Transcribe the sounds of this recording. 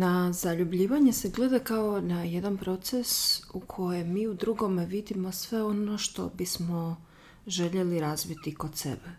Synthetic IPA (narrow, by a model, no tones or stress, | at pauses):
nazaʎubʎiːʋaɲese̞ɡle̞d̪akao̞naje̞d̪anpɾo̞t̪sesukʰo̞jemiːud̪ɾuɡo̞meʋid̪imo̞sʋe̞o̞no̞ʃt̪o̞̰bismo̞ | ʒe̞ʎe̞liɾaːzʋit̪iko̞t̪sḛbe